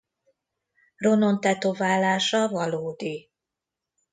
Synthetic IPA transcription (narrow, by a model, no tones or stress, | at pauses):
ro̞no̞nt̪ɛt̪ovaːlaːʃɒvɒloːd̪i